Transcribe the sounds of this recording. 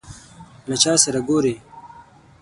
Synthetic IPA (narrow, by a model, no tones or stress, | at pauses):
lɐt͡ʃaːsɐɾɐɡoːɾeː